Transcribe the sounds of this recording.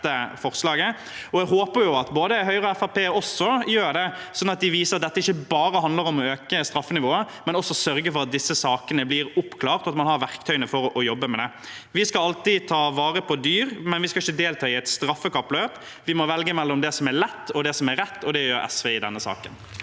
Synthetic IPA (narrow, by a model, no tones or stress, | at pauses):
əfɔʁslɑːɡə | ɔɛɡɦoːpəɾjʊɑt̪boːd̪əɦœʏʁɔɛfɑpeːɔsːɔjøːɖ̪ɛsɔnɑt̪̚d̪ɪʋiːsəɾɑt̪̚d̪ɛt̪ːəɪçːəbɑːɾəhɑnd̪ləɾɔmɔøːkəst̪ɾɑfːənɪʋoːə | mɛnɔsːɔsœɾɡəfɔɾɑt̪̚d̪ɪsːəsɑːkənəblɪɾʊpkʰlɑːɾt̪ɑt̪mɑnhɑɾʋæʁkt̪ʰœʏnəfɔɾʔɔjɔbːəmɛd̪ɛ | ʋɪskɑɑlt̪ɪt̪ʰɑːʋɑːɾəpʰɔd̪yːɾmɛnʋɪskɑɪçːəd̪eːlt̪ʰɑːɪɛɪt̪st̪ɾɑfːəkɑpːløːp | ʋɪmɔʋɛlɡəmɛlːɔmd̪ɛsɔmæɾlɛt̪ːɔd̪ɛsɔmæɾɛt̪ːɔd̪ɛjøːɾɛ̰sʋeːɪd̪ɛ̰nːəsɑ̰ːkən